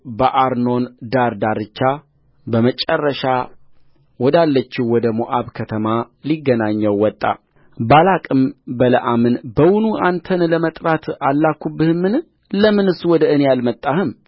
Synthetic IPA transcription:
bəʔaɾno̞nd̪aɾd̪aɾɨt͡ʃːa | bəmət͡ʃʼərːəʃa | wɔd̪alːət͡ʃːɪhwɔd̪əmuʔaβkʰət̪ʰəma | liɡːənaɲːəwːɔt̪ʼːa̰ | balakʼɨmbələ̰ʔamɨnbəwʊnuʔant̪ʰənləmət̪ʼɾat̪ʰalːakːubːɨhmːɨn | ləmɨnɨsuwɔd̪əɨnejalmət̪ʼːahɨm

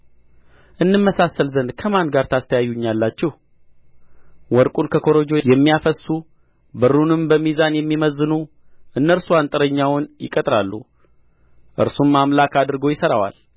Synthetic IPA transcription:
ʔɨnːɨmːəsasːəlzənd̪kʰəmand̪ɡaɾt̪ʰast̪ʰəjajːuɲːalːat͡ʃːɛh | wɔɾkʼunkʰəkʰo̞ɾo̞d͡ʒo̞jɛmːijafəsːu | bɨɾːunɨmbəmizanjɛmːiməzːɨnu | ʔɨnːəɾsuant̪ʼɨɾəɲːawʊnjɪ̰kʼət̪ʼɾalːṵ | ʔɨ̰ɾsumːamlakad̪ɨɾɨɡo̞jɪsəɾawa̰l

